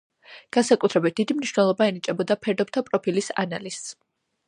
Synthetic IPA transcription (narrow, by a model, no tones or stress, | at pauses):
ɡ̥ansakʼut̪ʰɾɛbit̪̚d̪̥id̪imniʃvnɛlˠɔbaɛnit͡ʃʼɛbɔd̪apʰɛɾd̪ɔp̚t̪ʰapʼɾɔpʰilisa̰na̰liss